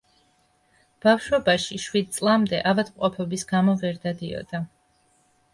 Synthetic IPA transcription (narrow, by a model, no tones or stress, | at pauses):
b̥afʃɔbaʃiʃwid̪̚t̪sʼlˠamd̪ɛ̰ʔavad̪mqʼɔpʰɔbisɡ̥amɔvɛɾd̪ad̪iɔ̰d̪a